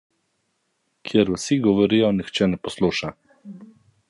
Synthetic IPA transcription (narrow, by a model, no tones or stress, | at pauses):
kʰjɛɾusiɡɔʋɔɾiːjɔnixt͡ʃɛnɛpɔsluːʃa